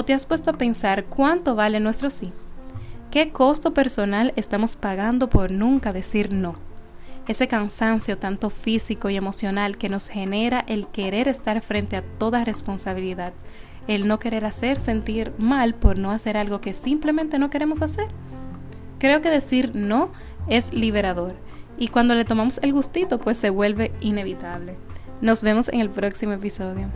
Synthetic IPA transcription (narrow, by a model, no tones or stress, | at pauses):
ot̪e̞aspwe̞st̪oape̞nsaɾkwant̪o̞βalenwe̞st̪ɾo̞si | ke̞ko̞st̪o̞pe̞ɾso̞nalest̪amo̞spaɣand̪o̞po̞ɾnũŋkaðe̞siɾno̞ | e̞se̞kansansjo̞t̪ant̪o̞fisiko̞ie̞mo̞sjo̞nalke̞no̞she̞ne̞ɾaʔe̞lke̞ɾe̞ɾe̞st̪aɾfɾe̞nt̪e̞at̪o̞ðare̞spo̞nsaβ̞iliðað̥̚ | e̞lno̞ke̞ɾe̞ɾase̞ɾse̞nt̪iɾmalpoɾno̞ase̞ɾalɣo̞ke̞simple̞mẽnt̪e̞no̞ke̞ɾe̞mo̞s̬ase̞ɾ | kɾe̞oke̞ðe̞siɾno̞ | e̞sliβe̞ɾaðo̞ɾ | ikwand̪o̞le̞t̪o̞mamose̞lɣust̪it̪o̞pwe̞sːe̞βwe̞lβe̞ine̞β̞it̪aβ̞le̞ | no̞sβe̞mo̞se̞̰ŋe̞lpɾo̞ksimo̞e̞piso̞ðjo̞